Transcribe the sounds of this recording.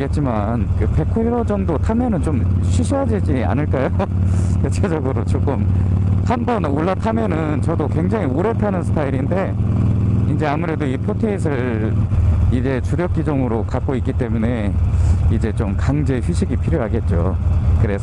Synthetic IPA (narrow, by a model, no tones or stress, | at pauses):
e̞t̚t͡ɕ͈ima | nkɯpe̞kʰoiɾod͡ʑʌŋdotʰamenɯnt͡ɕomɕʰɥiɕʰiɦaded͡ʑia̰nɯɭk͈ajo | tet͡ɕʰed͡ʑʌɡɯɾot͡ɕok͈ɯmhanbʌnoɭːatʰamenɯnt͡ɕʌdokwe̞ŋd͡ʑaŋioɾe̞tʰanɯnsʰɯ̥pʰaiɾinde̞ | ind͡ʑe̞amuɾe̞doipʰotʰeisʰɯɭ | id͡ʑe̞t͡ɕuɾjʌk̚k͈id͡ʑʌŋɯɾokak̚k͈oik͈it͈e̞mune̞ | id͡ʑe̞t͡ɕomkaŋd͡ʑe̞ɸɥiɕʰiɡipʰiɾjoɦaɡe̞t̚t͡ɕ͈o̰kɯɾe̞sʰ